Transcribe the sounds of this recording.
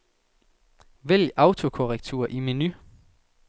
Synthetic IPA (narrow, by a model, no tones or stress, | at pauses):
ʋel̰ɑ̈ʊt͡sʰo̝kʰoʁɛɡ̥̚t͡sʰṵɐʔimeny